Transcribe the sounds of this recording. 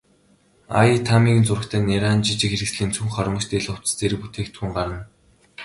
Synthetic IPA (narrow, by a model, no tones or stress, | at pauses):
a̰it̪ʰamiːɣɘ̆nt͡sʊrə̆kt̪ʰæːneɾaːnt͡ɕit͡ɕɪ̆kxeɾɘ̆ksɮiːnt͡sʰuŋχɔɾɞ̆ɴɞ̆t͡ɕt̪eɮʊ̥t͡s̆t͡seɾɘ̆kput̪ʰeːkt̪ʰuːŋɢaɾə̆n